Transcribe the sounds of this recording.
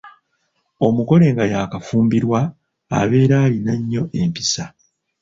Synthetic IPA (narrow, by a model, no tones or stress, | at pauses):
o̞muko̞le̞ːŋɡajaːkafuːmbiɾwa̰ː | βe̞ːɾaːlinaɲːo̞ʔe̞mpisa